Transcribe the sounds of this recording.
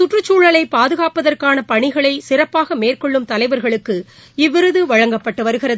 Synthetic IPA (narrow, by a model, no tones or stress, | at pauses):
sʊʈrɯt͡ʃːuːɻɐlɐɪpaːðɯɣaːpɐðɐrkaːnɐpɐɳɪɣɐɭɐɪsɪrɐpːaːɣɐmeːrkɔɭːɯmt̪ɐlɐɪʋɐɾɣɐɭɯkːɯ | ɪʋːɪɾɯðɯʋɐɻɐŋɡɐpːɐʈːɯʋɐɾɯɣɪɾɐðɯ